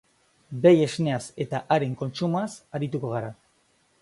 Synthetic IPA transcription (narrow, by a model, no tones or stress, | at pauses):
be̞je̞zne̞ase̞t̪aʔaɾe̞ŋko̞nt͡ʃumoasaɾit̪uko̞ɣ̞aɾa